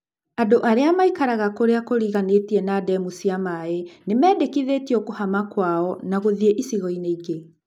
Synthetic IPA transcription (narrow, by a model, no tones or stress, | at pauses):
adoʔaɾeamaikaɾaɣakoɾeakoɾiɣanetiɛnadɛmusiamaenemɛːdekiðetiɔkohamakwaɔnaɣoðieʔisiɣɔineiɡe